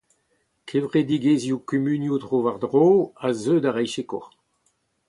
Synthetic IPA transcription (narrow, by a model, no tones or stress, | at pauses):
kʰevʁed̪iɡeːzjukymynjutʁoːvaʁd̪ʁoːazøːdaʁɛjʃekɔʁ